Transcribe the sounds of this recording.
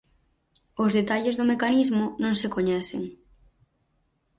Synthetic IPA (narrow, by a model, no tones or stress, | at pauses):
ozðet̪aʎezðomekanizmʊnõŋsekoɲɛθɪŋ